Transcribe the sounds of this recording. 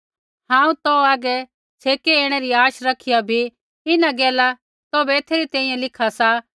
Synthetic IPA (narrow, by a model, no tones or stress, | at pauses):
ɦãːũt̪ɔaːɡɛ | t͡sʰeːkeeːɽ̃eɾiaːʃɾɐkʰɪjabʱi | ɪnaɡɛːla | t̪obeːt̪ʰeːɾit̪ɛ̃ːĩjẽlɪkʰasa